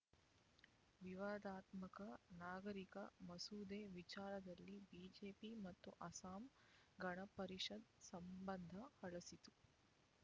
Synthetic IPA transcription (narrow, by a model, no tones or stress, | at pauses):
ʋiʋaːd̪aːt̪mɐkɐnaːɡɐɾikɐmɐsuːd̪eːʋit͡ʃaːɾɐd̪ɐlːibiːd͡ʒeːpimɐt̪ːuʔɐsaːm | ɡɐɳɐpɐɾiʂɐd̪sɐmbɐnd̪ʱɐhɐɭɐsit̪u